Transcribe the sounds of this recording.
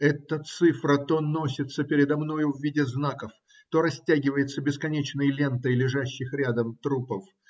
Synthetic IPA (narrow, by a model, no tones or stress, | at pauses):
ɛt̪ət̪sɨfɾət̪o̞no̞sʲɪt̪səpʲɪɾʲɪd̪ɐmno̞jʊvːʲidʲɪznakəf | t̪o̞ɾɐsʲtʲaɡʲɪvəjɪt̪səbʲɪskɐnʲet͡ɕnəjlʲe̞nt̪əjlʲɪʐaɕːɪxɾʲad̪əmt̪ɾupəf